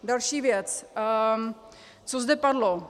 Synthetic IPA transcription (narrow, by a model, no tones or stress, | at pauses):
d̪alʃivjɛt͡sː | t͡sozd̪ɛpaɾlo